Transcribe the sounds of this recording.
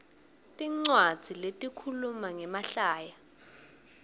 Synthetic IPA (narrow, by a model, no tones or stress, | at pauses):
tʼiŋ͡ǀwḁz̥ʱiletʼikʰulumaŋɛmaɬaːja